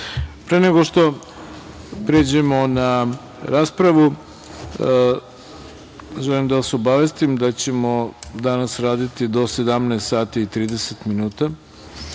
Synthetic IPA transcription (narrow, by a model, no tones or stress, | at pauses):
pɾeneɡo̞ʃt̪o̞ | pɾeːd͡ʑemo̞na | ɾaːspɾaʋu | ʒelimd̪aʋasobaʋe̞st̪imd̪at͡ɕe̞mo̞d̪anasɾaːd̪it̪id̪o̞se̞d̪amneːst̪saːt̪iːt̪ɾiːd̪e̞set̪minuːt̪a